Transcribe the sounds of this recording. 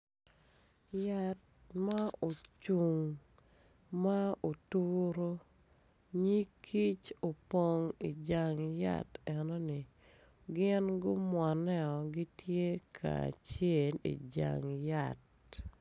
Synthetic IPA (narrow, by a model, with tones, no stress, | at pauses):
ja˨t̚ | ma˦o˨t͡ʃu˨ŋ | ma˦o˨tu˦ɾo˦ | ɲi˦kʰi˦t͡ʃo˨po˦˨ŋi˨d͡ʒa˨ŋja̰˦˨tɛ˨nɔ˦nɪ˨ | ɡɪ˦nɡʊ˦mwɔ˨nɛ˦ɔ˨ɡi˦tje˦kʰa̰˨a̰˨t͡ʃe˦˨lḭ˨d͡ʒa̰˨ŋja˨t̚